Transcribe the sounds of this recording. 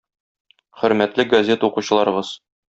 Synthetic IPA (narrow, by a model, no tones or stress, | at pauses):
χɵ̆ɾmæt̪lɘɡɐzʲe̞t̪əuquɕɤ̆lˠɑɾɤ̆ʁɤz̥